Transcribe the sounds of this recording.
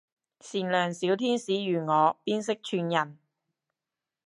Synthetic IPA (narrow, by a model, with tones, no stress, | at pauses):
siː˨˩nlœː˨˩ŋsiː˨˥wt̪ʰiː˥nsiː˨˥jyː˨˩ŋɔː˨˧piː˥nsɪ˥k̚t͡ʃʰyː˧njɐ˨˩n